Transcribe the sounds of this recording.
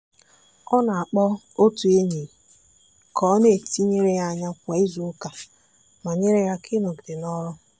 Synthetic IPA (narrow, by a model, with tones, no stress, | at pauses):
ɔ˦na˨a˨k͡pɔ˦ | o˦tu˨e˦ɲe˨ | kʰɔ˨˦ne˦e˨ti˦ɲe˦ɾe˦ja˦˨ɲa˦kʷe˨i˦zu˨˦ka˨ | ma˨ɲe˦ɾe˦ja˦kʰɪ˦nʊ˨ɡdɪ˨nɔ˦ɾʊ˦